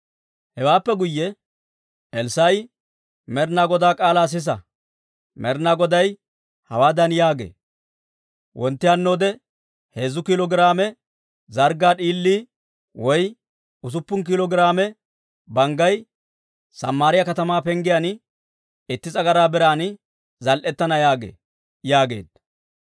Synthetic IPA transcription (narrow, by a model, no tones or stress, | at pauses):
hɛwaːpːɛɡʊjːɛ | ʔɛlsɐj | mɛɾnaːɡɔd̪aːkʼaːlaːs̬ɪs̬ɐ̰ | mɛɾnaːɡɔd̪ɐj | hɐwaːd̪ɐnjaːɡḛː | wʔɔnt̪ːɪjanːo̞ːd̪ɛ | heːzʊkɪlɔɡɪɾaːmɛ | zɐɾɡaːɗiːlːiː | wɔj | ʊs̬ʊpːʊnk̬ɪlɔɡɪɾaːmɛ | bɐŋɡɐj | sɐ̰mːaːɾɪjɐkɐt̪ɐmaːpɛŋɡɪjan | ɪt̪ːɪt͡sʼɐɡɐɾaːbɛɾaːnɪ | zɐlʔɛt̪ːɐnɐjaːɡḛː | jaːɡeːd̪